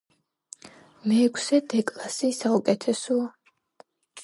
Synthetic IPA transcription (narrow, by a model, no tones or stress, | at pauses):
mɛːkʰsɛd̪ɛkʼlasisaukʼɛt̪ʰɛsɔa